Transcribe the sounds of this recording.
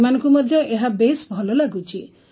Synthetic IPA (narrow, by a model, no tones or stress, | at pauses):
manɔŋkumɔd̪ʱjɔʔeɦabesbʱɔlɔlaɡut͡ʃʰi